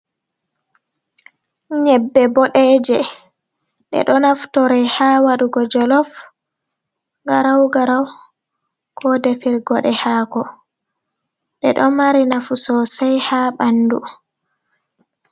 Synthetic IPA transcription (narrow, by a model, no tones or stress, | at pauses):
ɲɛbːɛbɔɗɛːd͡ʒɛ | ɗɛ̰ɗɔnaftɔɾɛhaːwaɗuɡɔd͡ʒɔlɔf | ɡaɾawɡaɾaw | kʰɔdefiɾɡɔɗɛhaːɡɔ | ɗɛ̰ɗɔmaɾinafusɔsajhaɓandu